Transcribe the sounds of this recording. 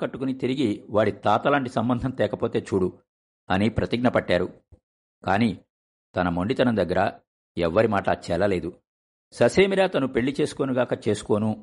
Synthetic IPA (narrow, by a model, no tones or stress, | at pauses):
kɐʈːukunit̪iɾiɡiʋaːɽit̪aːt̪ɐlaːɳʈisɐmbɐnd̪ʱɐnt̪ɛːkɐpo̞ːt̪e̞ːt͡ʃuːɽu | ɐnipɾɐt̪iɡnɐpɐʈːaːɾu | kaːniː | t̪ɐnɐmoɳɖit̪ɐnɐmd̪ɐɡːɐɾɐ | ɛʋːɐɾimaːʈɐt͡ʃɛlɐle̞ːd̪u | sɐseːmiɾaːt̪ɐnupe̞ɭːit͡ʃe̞ːsu̥ko̞ːnuɡaːkɐt͡ʃe̞ːsu̥ko̞ːnu